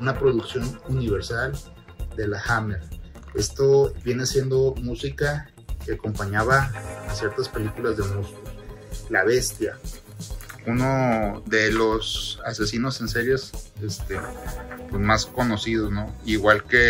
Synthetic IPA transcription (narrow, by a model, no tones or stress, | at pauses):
unapɾo̞ðuksjo̞nuniβ̞eɾsal | d̪e̞laxameɾ | e̞st̪oβje̞ne̞asje̞nd̪o̞musika | keako̞mpaɲaβasje̞ɾt̪aspe̞likulazðemusiko | laβe̞st̪ja | uno̞ðe̞lo̞sase̞sino̞se̞nse̞ɾje̞sest̪epezmasko̞no̞sið̞o̞sno̞iɣwalke